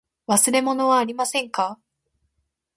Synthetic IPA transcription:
βasɨɾe̞mo̞no̞βaːɾʲimasẽ̞ŋka

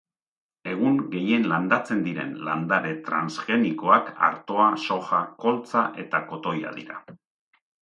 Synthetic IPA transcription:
e̞ɣ̞uŋɡe̞je̞nland̪at͡se̞nd̪iɾe̞̰nla̰nd̪aɾe̞t̪ɾansʝe̞niko̞aka̰ɾt̪o̞aso̞xako̞lt͡saʔe̞t̪ako̞t̪o̞ja̰ðḭɾa̰

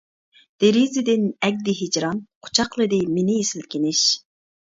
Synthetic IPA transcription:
d̪̥eɾizɪd̪ɪnɛɡ̚ʲd̪ɪɦed͡ʒɾɑnqʰo̥t͡ʃʰɑqlˠɨd̪ɨmenɪjesɪlkʲʰɪnɪʃ

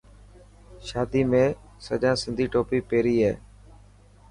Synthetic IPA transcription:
ʃaːd̪iːmẽː | sə̰ʄãːsɪnd̪ʱiːʈoːpiːpeːɾiːɦḛː

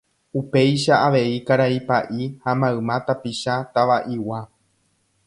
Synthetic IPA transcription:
upe̞jʃaaʋe̞ikaɾaipaʔihamãɨ̃mãt̪apiʃat̪aʋaʔiwa

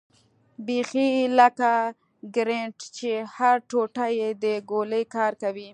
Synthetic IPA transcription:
bexilaka | ɡɾeɳʈt͡ʃehaɾʈoʈajed̪əɡoləjkɑɾkawi

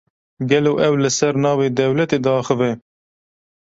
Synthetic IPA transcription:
ɡɛloːʔɛwlɨsɛɾnɑːveːd̪ɛwlɛt̪eːd̪ɑːxəvɛ

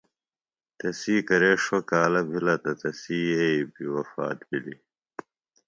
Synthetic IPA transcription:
t̪ɐsiːkɐɾeːʂwɐkaːlɐbʱilɐt̪ɐt̪ɐsiːeibiwɐfa̰ːt̪bili

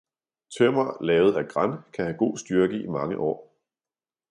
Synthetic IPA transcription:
t͡sʰømɐlɛːʊð̞̩ˠæɡ̥ʁankʰæhæɡ̥o̝̰ːsd̥yɐɡ̥əimɑ̈ŋəʔɒ̰ː

